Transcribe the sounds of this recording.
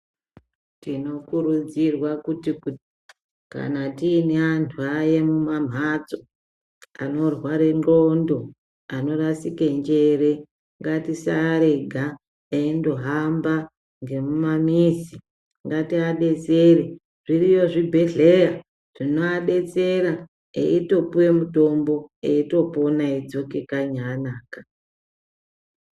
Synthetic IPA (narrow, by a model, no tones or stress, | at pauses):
tino̞kuɾud͡zirwakutiku | ka̰natiːneantʰuajemumam̤ʱat͡so | ano̞rwaɾe̞nɡo̞ndo̞ | ano̞rasike̞ɲd͡ʒe̞ɾe | ŋɡatisaɾe̞ɡʱa | endo̞ɦamba | ŋɡe̞mumamiːsi | ŋɡatiaɗe̞t͡seɾe | ʐ̥irijo̞ʐibʱe̞ɮe̞ja | ʐ̥inoaɗe̞t͡se̞ɾa | ḛito̞puwe̞muto̞mbo̞eito̞po̞naid͡zo̞ke̞kaɲanaːka